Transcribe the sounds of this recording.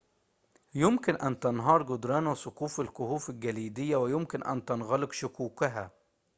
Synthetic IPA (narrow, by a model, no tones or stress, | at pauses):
jʊmkɪnʔænt̪ɑnɦɑːɾˤɡʊd̪ɾˤɑːnwɪsʊqkuːfɪlkʊhuːfɪlɡæliːd̪ɪjːæwɪjʊmkɪnʔæ̰nt̪ɑnɣɑlɪkʃʊkuːkaɦæː